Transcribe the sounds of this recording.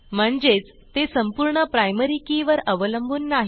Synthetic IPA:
m̤əɳd͡zet͡s | t̪esəmpuɾɳəpɾajməɾikiʋəɾəʋələmbʱuːnːaɦi

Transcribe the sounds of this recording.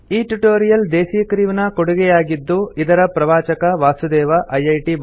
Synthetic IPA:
iːʈuʈoːɾijɐld̪eːsijɐkɾiːʋnɐkoɽuɡɛjaːɡid̪ːuid̪ɐɾɐpɾɐʋaːt͡ʃɐkɐʋaːsud̪ɛːʋɐʔɐjɐjʈi

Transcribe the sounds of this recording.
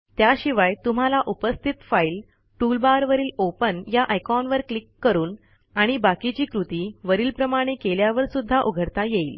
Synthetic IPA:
t̪jaɕiʋajt̪um̤alaʔupəst̪ʰit̪fail | ʈulbaɾʋəɾiːlopənjaʔəjkɔnʋəɾklikːəɾuːn | aɽ̃ibakit͡ɕiːkɾut̪iːʋəɾiːlpɾəmaɽ̃ekeljaʋəɾsud̪ʱːaʔuɡʱəɽt̪ajeiːl

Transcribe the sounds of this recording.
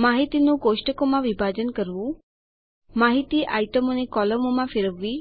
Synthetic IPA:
maɦit̪inũɡoʃʈəkomãʋibʱad͡ʒənkəɾʋũ | maɦit̪iʔajʈəmonekɔləmomãfɪɾəʋːi

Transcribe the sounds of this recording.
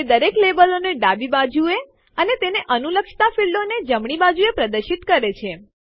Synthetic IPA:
ed̪əɾeklebəloneɖabibad͡ʒue | ənet̪eneʔənuləkʃt̪afiɭɖoned͡ʒəmɳ̃ibad͡ʒuepɾəd̪əɾʃit̪kəɾet͡ʃʰe

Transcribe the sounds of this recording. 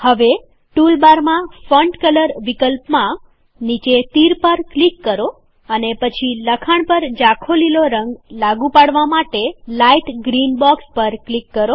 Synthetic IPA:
həʋe | ʈulbaɾmãfəɳɖkələɾʋikəlpmã | nit͡ʃet̪iɾpəɾklikːəɾo | ənepət͡ʃʰiləkʰaɳpəɾd͡ʒakʰoliloɾə̃ŋɡlaɡũpaɽʋamaʈelaiʈɡɾinbɔkspəɾklikːəɾo

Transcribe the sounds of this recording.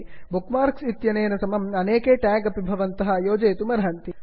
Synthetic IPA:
bukmaːɾksit̪jɐneːnɐsɐmɐmɐneːkeːʈæːɡɐpibʱɐʋɐnt̪ɐɦɐ̆joːd͡ʒeːt̪umɐɾaːnt̪i

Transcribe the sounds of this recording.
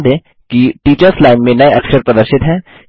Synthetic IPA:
d̪ẽː | kiʈiːt͡ʃəɾslaːɪnmẽnɐjɐkʃəɾpɾɐd̪əɾʃɪt̪ɦɛː

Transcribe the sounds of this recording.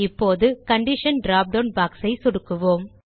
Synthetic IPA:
ɪpːoːðɯkɐɳɖɪʂɐnɖɾaːp̚ɖɐʊnbaːksɐɪsɔɽɯkːɯʋoːm

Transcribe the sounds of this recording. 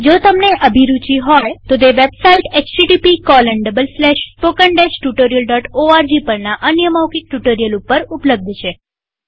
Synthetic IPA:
d͡ʒot̪əmneʔəbʱiɾut͡ʃiɦɔjt̪od̪eʋebsaiʈet͡ʃʈiʈipikɔləɳɖəbəlslɛʃspokəɳɖeʃʈjuʈoɾijəlɖɔʈoaɾd͡ʒipəɾnaʔənjəmawkik̚ʈuʈoɾijəlupːəɾupləb̚d̪ʱt͡ʃʰe

